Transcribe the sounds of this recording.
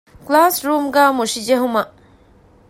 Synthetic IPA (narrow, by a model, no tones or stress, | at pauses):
klaːsɾuːmɡaːmuʂid͡ʒeɦumɐ